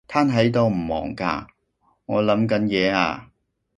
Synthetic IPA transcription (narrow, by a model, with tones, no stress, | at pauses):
t̪ʰaː˥nɦɐ˨˥jt̪o˧wm̩˨˩mɔ̰ː˨˩ŋka̰ː˧ | ŋɔː˨˧lɐ˨˥mkɐ˨˥njɛː˨˧a̰ː˧